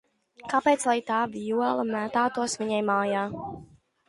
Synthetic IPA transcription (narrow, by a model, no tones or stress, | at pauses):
kapeːt̪slˠajt̪aːvijuɔlˠɐmæt̪aːt̪uɔsvʲiɲajmaːjaː